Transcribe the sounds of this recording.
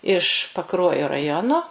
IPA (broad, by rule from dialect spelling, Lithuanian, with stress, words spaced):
ɪʃ pɐˈkruɔjoː rɐˈjoːnoː